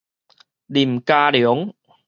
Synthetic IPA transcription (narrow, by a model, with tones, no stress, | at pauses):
li˨˩mkaː˧ljŋ